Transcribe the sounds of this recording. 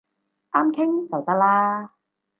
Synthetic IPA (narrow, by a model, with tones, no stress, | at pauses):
ʔaː˥mkʰɪ˥ŋt͡sɐ˨wt̪ɐ˥k̚laː˥